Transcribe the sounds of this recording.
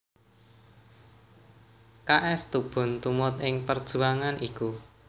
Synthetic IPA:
kaʔɛst̪ub̥ʊ̤nt̪umɔt̪ɪŋpərd̥ʒ̥ṳaŋaniku

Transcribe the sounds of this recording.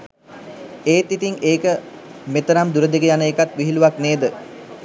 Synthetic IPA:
eːt̪it̪iŋeːkə | met̪əɾamd̪uɾəd̪eɡəjanəekat̪ʋiɦiluʋakneːd̪ə

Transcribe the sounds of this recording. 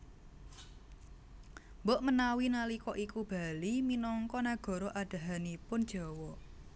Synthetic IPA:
mbɔʔmənawinalikɔʔikub̥a̤liminɔŋkɔnaɡ̥ɔ̤ɾɔʔad̥a̤ɦanipʊnd̥ʒ̥ɔ̤wɔ

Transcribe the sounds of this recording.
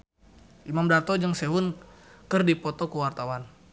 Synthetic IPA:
ʔimamdat̪ɔd͡ʒəŋseɦunkərdipɔt̪ɔkuwart̪awan

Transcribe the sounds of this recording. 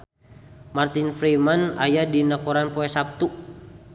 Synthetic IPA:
mart̪infɾimana̰jadinakɔɾanpɔɛsap̚t̪u

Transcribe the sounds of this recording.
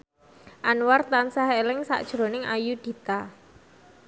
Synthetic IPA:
ʔanwart̪ansahelɪŋsa̰ʔd̥ʒ̥ɾo̤nɪŋajud̪̥i̤t̪a

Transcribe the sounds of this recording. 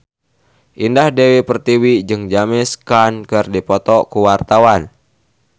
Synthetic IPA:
ʔindahdɛwipərt̪iwid͡ʒɨŋd͡ʒamɛskankɨrdipɔt̪ɔkuwart̪awan

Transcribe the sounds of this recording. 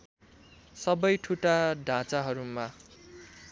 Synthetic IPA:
sʌbʌjʈʰuʈaɖʱãt͡saɦʌɾuma

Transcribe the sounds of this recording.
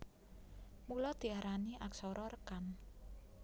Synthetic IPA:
mulɔd̪̥i̤aɾaniʔaksɔɾɔrəkan

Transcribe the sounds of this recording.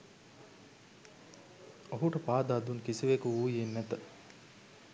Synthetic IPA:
oɦuʈəpaːd̪aːd̪unkisiʋekuuːjenːæt̪ə

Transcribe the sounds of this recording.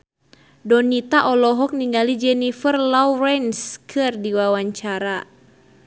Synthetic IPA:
dɔnit̪aʔɔlɔɦɔk̚niŋɡalid͡ʒɛnifərlawɾɛnskʰɨrdiwawaɲt͡ʃaɾa

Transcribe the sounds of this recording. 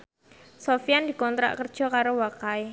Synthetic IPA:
sofijandi̤kɔnt̪ɾa̰ʔkərd̥ʒ̥ɔ̤kaɾowakae

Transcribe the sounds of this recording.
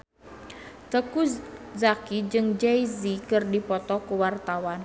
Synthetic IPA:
t̪əkuszakid͡ʒɨŋd͡ʒejzikɨrdipɔt̪ɔkuwart̪awan

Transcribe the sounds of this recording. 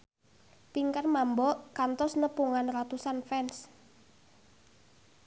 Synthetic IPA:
piŋkarmambɔʔkant̪ɔsnəpuŋanrat̪usanfɛns

